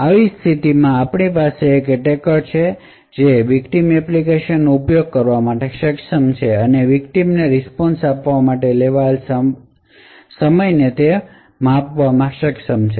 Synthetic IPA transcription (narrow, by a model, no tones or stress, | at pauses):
aʋist̪ʰit̪imãapɳipaseːkʈekəɾt͡ʃʰe | d͡ʒeʋikʈimɛplikeʃənːoupjoɡ̚kəɾʋamaʈeʃəkʃəmt͡ʃʰeəneʋikʈimneɾispɔnsapʋamaʈeleʋals | səməjnet̪e | mãpʋamãʃəkʃəmt͡ʃʰe